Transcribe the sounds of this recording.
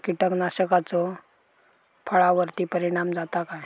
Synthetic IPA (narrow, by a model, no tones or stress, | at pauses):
kiʈəknaɕəkat͡sɔ | pʰəɭaʋəɾt̪ipəɾiɽ̃amd͡zat̪akaj